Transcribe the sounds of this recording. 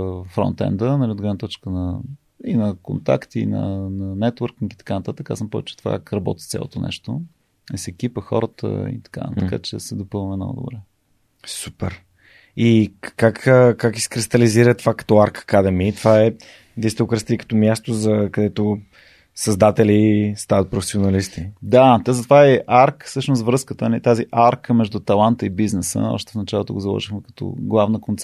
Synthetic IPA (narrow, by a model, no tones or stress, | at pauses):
fɾɔ̰nt̪ɛ̰nd̪ənɐlʲiod̪ɡɾɛvnət̪ɔt͡ʃkənə | inɐkont̪a̰kt̪inɐ̰nɐnɛt̪wəɾkiki̥t̪ɐ̥kanɐt̪at̪əka̰səmpɔvɛ̰t͡ʃɛ̥t̪o̥va̰kakɾɐbɔ̰t̪ʲi̥st̪sʲa̰lˠo̰t̪onʔɛ̰ʃt̪o | ɛsɛkʲipəxɔ̰ɾət̪ʰə̰ḭt̪ɐ̥ka̰t̪əka̰t͡ʃɛ̰sɛd̪opɤlˠnvɛmnɔ̰ɡo̰d̪o̰bɾɛ | su̥pɛɾ | ikakːkakisɛ̥kɾist̪ɐliziɾət̪vakɐ̥t̪ɔaɾkə̥kad̪ɛmit̪vaɛ | d̪ɛst̪ɛʊkɾɛst̪iikə̥t̪ɔmjast̪ozɐkɐd̪ɛt̪o | sɐzd̪at̪ɛlist̪avət̪̚pɾofɛsionɐlist̪id̪at̪ɛzɐt̪ovaɛʔaɾksɤʃnost̪vɾɤskət̪ənɐlit̪aziʔaɾkəmɛʒd̪ut̪ɐlˠant̪əibiznɛsə̰ɔ̰ʃt̪ɛ̥fnɐt͡ʃalˠot̪oɡozɐlˠɔ̰ʒixmɛkɐ̥t̪ɔ̰ɡlˠavnəkont̪sɛ